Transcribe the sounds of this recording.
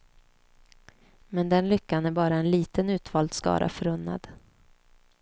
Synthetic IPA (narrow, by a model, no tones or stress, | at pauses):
mɛnd̪ɛnlʏkːanæɾbɑːɾaɛnliːt̪ənʉ̟ːt̪vɑːld̪skɑ̰ːɾʔa̰fœɾɵnːa̰d̪̥